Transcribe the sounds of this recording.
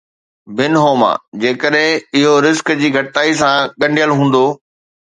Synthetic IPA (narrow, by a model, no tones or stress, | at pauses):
bɪnɦoːma̰ːd͡ʑeːkəɗɦɪ̃ɪɦoɾɪzkd͡ʑiːɡʱɐʈɪt̪aːisãɠɐ̃ɳɖijəlɦũːn̆d̪oː